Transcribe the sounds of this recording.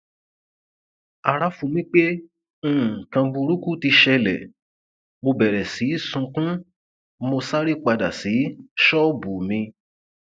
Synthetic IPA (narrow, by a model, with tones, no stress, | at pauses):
a˨ɾa˦fũ˧˨mĩ˦k͡pẽ˦˨ | kã˧bũ˧ɾu˦ku˦ti˧ʃɛ˧lɛ̰˨ | mo˧bɛ˨ɾɛ˨si˨˦sũ˧kũ˦ | mo˧sa˦ɾi˦k͡pa˧da̰˨si˨˦ʃɔ˦bu˨mĩ˧